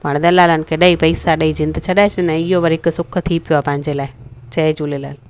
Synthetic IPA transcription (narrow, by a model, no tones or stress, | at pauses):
paɳd̪ɐlaːlankeɗaːipɐɪsaɗaːid͡ʒɪ̃nd̪t͡ʃʰɐɗaːet͡ʃɪnɛ̃ɪjoʋɐɾɪksʊkʰt̪ʰiːpɪjoaːpãːɪɲd͡ʒeːlaːet͡ʃɐed͡ʒuːlela̰ːl